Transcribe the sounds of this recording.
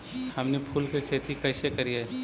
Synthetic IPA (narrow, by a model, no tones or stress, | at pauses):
hɐmnepʰuːlkekʰeːt̪ikɐɪsekɐɾieː